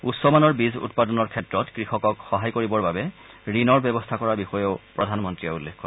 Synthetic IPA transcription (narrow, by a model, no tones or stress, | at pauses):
utsɔmanɔɹbizṵtpadɔnɔɹkʰɛtɹɔtkɹixɔkɔkxɔɦajkoɹibɔɹbabɛ | ɹinɔɹbɛbɔstʰakɔɹabixɔjɔʊpɹɔdʱanmɔntɹiaulːekʰːɔ